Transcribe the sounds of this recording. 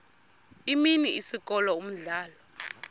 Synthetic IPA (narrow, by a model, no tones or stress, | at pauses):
iminiisik̬ʼɔlɔum̩ɮaːlɔ